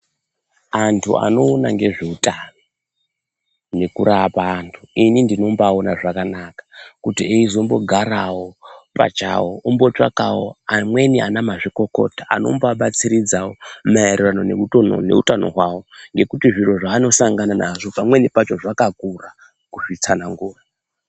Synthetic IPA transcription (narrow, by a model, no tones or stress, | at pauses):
antʰṵa̰no̞ːnaŋɡe̞ʐe̞utano | ne̞kuɾapaːntʰuinindino̞mbaonaʐakanakḁkutieizo̞mbo̞ɡʱaɾawo̞pa̰t͡ʃa̰woumbo̞t͡ʂa̰kawo̰amwe̞nia̰namaʐiko̞ko̞̰taa̰no̞̰mbaɓat͡siɾid͡zawomaereranonḛuo̰ne̞̰utano̞̰ɦwawo̞ŋɡe̞kutiʐiro̞ʐaːno̞saŋɡananaʐo̞pamwe̞nipat͡ʃo̞ʐakakura | kuʐit͡sanaŋɡuːra